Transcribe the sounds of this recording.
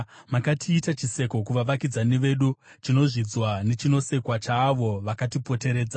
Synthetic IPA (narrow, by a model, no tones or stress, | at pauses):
makatʰiːtat͡ʃise̞ko̞kuʋaʋakid͡zaneʋe̞ɗut͡ʃino̞ʐid͡zwane̞t͡ʃino̞se̞kwat͡ʃaːʋo̞ʋakatipo̞te̞ɾe̞ːd͡za